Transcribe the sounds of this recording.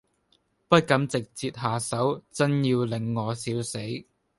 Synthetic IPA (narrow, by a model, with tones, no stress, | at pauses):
pɐ˥t̚kɐ˨˥mt͡sɪ˨k̚t͡siː˧t̚haː˨sɐ˨˥wt͡sɐ˥njiː˧wlɪ˨˩ŋːɔː˨˧siː˨˥wse˨˥j